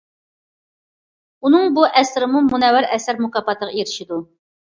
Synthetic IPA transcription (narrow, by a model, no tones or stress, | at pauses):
unɨŋbuʔɛsɾɪmumunɛwɪɾɛsæɾmukɑpɑt̪ʰəʁɑeɾɪʃid̪u